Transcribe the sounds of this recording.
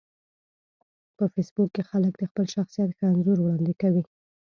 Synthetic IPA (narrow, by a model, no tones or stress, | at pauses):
pəfesbukːexalək̚d̪əxpəlʃaxsijat̪xəanzoɾwɽɑnd̪ɪkawi